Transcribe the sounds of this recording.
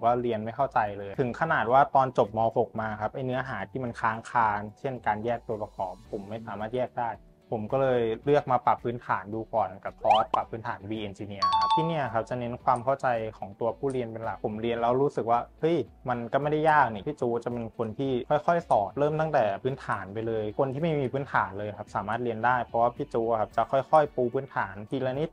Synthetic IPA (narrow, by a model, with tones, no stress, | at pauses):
kɔː˥˩ɾi˧ənma˥˩jkʰa˥˩wt͡ɕa˧jlɤː˧jtʰɯ˩˦ŋkʰa˧naː˨˩t̪̚waː˥˩t̪ɔː˧nt͡ɕo˨˩p̚mɔː˧fo˨˩k̚maː˧kʰa˦˥p̚ʔa˧jnɯ˦˥ɐɦaː˩˦t̪ʰiː˥˩ma˧nkʰaː˦˥ŋkʰaː˧nt͡ɕʰe˥˩nkaː˧njɛː˥˩k̚t̪u˧pɔ˧kʰɔː˩˦pʰːo˩˦mːa˥˩jsaː˩˦maː˥˩jɛː˥˩k̚daː˥˩j | pʰo˩˦mkɔː˥˩lɤː˧jjlɯ˥˩ək̚maː˧pa˨˩pʰːɯː˦˥nt̪ʰaː˩˦nduː˧kɔː˨˩nka˨˩kʰɔː˦˥t̪̚pa˨˩pʰːɯː˦˥nt̪ʰaː˩˦nwiː˧ʔe˧nt͡ɕiː˧ni˦˥˩ɐ˦˥t̪ʰiː˥˩ni˥˩ɐkʰa˦˥p̚t͡ɕa˨˩ne˦˥nkʰwaː˧mkʰa˥˩wt͡ɕa˧jkʰɔː˩˦ŋt̪u˧ɐpʰuː˥˩ɾi˧ənpe˧nla˨˩k̚pʰo˩˦mɾi˧ənlɛː˦˥wɾuː˦˥sɯ˨˩k̚waː˥˩hɤ˦˥˩jma˧nkɔ˥˩ma˥˩jda˥˩jaː˥˩k̚ni˧˩pʰiː˥˩t͡ɕuː˧t͡ɕa˨˩pe˧nkʰo˧nt̪ʰiː˥˩kʰɔ˥˩jxʰɔ˥˩jsɔː˨˩p̪̚ɾɤː˥˩mt̪a˥˩ŋt̪ɛː˨˩pʰɯː˦˥nt̪ʰaː˩˦npa˧jlɤː˧jkʰo˧nt̪ʰiː˥˩ma˥˩jmiː˧pʰɯː˦˥nt̪ʰaː˩˦nlɤː˧jkʰa˦˥p̚saː˩˦maː˥˩t̪̚ɾi˧əndaː˥˩jpʰɾɔ˦˥waː˥˩pʰiː˥˩t͡ɕuː˧˩kʰa˦˥p̚t͡ɕa˨˩kʰɔ˥˩jxʰɔ˥˩jpuː˧pʰɯː˦˥nt̪ʰaː˩˦nt̪ʰiː˧lɛː˧ni˦˥t̪̚